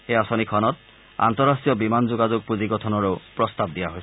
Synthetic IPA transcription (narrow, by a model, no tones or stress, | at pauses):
xejasɔnikʰɔnɔt̚ | a̰nt̪ɔɹasijɔbimanzoɡazuɡ̚puziɡɔtʰɔnɔɹeʊpɹɔst̪ab̚dijaɦojsɛ